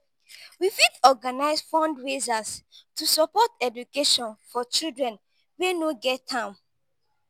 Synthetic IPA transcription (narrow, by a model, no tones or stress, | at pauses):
wifidɔɡanaɪsfɔ̃ndɹezastusɔpɔtɛdukeʃɔ̃nfɔt͡ʃidɹɛ̃n | wenoɡɛtʰːãn